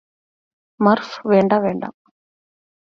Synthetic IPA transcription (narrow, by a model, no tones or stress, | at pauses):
mɐɾfʋeːɳɖaʋeɳɖa̰